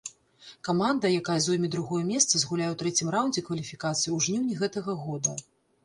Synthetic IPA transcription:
kamand̪ɐjakajɐzɔjmʲid̪ɾuɣɔjɛmʲɛst̪sɐzɣulʲajɛwt̪ɾɛt͡sʲimrawnʲd͡zʲɛkvɐlʲifʲikat̪sɨjiwʐnʲiwnʲiɣɛt̪ɐɣɐɣɔd̪ɐ

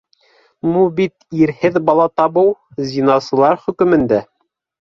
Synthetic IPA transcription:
mubit̪iɾhɘðbɑlˠɑt̪ɑβɤwzʲinɑsɤ̆lˠɑɾχɵ̆kɵ̆mɘ̆nd̪æ

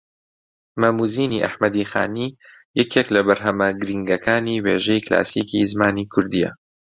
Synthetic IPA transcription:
mamuːziːniʔa̰ħmɐd̪iːxa̰ːniː | jɛkeːklɐbɐɾɦɐmɐɡɨɾiŋɡɐkaːniːweːʒɛjklʔa̰ːsiːkizmaːniːkʰʊɾd̪ijɛ̰

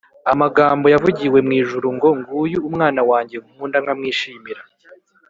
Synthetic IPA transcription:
amaɡaːmbo̞javuɟiwe̞mŋiːʒuɾuŋɡo̞ŋɡuːjuumŋaːnawaːɲɟe̞ɡumuːndaŋamŋiːʃiːmiɾa

